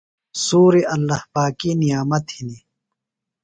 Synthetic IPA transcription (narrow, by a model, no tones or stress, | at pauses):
suːɾiʔɐlːɐhpaːkinijaːmɐt̪hini